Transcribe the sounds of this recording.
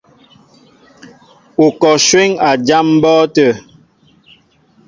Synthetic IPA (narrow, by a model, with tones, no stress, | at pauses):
o˨kɔ˨ʃwe˦ŋa˨d͡ʒa˦m̩˦bɔː˦tə˦˨